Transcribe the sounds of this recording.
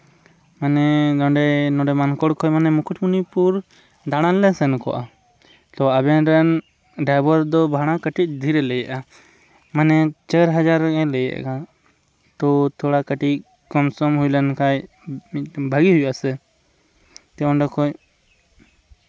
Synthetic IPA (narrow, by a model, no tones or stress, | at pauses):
manɛdɔɳɖɛnɔ̃ɖɛmankɔɽkʰɔjmanɛmukʰuʈʰmunipuɾ | d̪aɽ̃alɛsɛnkɔ̰ʔa | t̪ɔabɛɾɛn | ɖajbɔɾd̪ɔbʱaɽ̃akəʈic̚d̪ʱiɾɛlɛjaʔa | manɛt͡ʃəɾɦəd͡ʒaɾɛ̃lɛja̰ʔka | t̪ɔt̪ʰɔɽakəʈi | kɔmsɔmɦujlənkaj | bʱəɡiɦujʔasɛ | t̪ɛɔ̃ɳɖɛkʰɔj